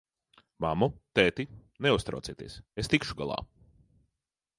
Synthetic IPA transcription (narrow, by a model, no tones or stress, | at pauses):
mamut̪ɛːt̪ineust̪ɾa̰t̪iːt̪ḭɛsest̪ikʃuɡa̰lˠa̰ː